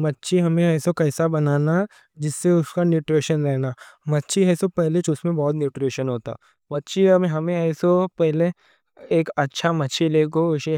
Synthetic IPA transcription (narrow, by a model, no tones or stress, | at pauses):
mɐtːʃʰiɦɐmẽɛːsokɐːsabɐnaːna | d͡ʒɪsːeʊskanjuːʈɾeːʃənɾɛɦnaːmɐtːʃiɛːsopɛɦlet͡ʃosmẽbɔːt̪njuːʈɾeːʃənɦoːt̪a̰ː | mɐtːʃʰiɐmẽɦɐmẽɛːsopɛɦle | eːkɐtːʃʰamɐtːʃʰileːkoʊʃe